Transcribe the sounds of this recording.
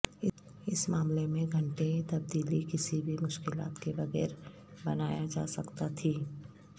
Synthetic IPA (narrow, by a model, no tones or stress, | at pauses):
ɪ | ɪsmaːmlemẽɡʱɐ̃ɳʈet̪ɐb̚d̪iːlikɪsibʱimʊʃkɪla̰ːt̪kebɐɣɛ̰ːɾ | bɐnaːjad͡ʒa̰ːsɐkt̪at̪ʰiː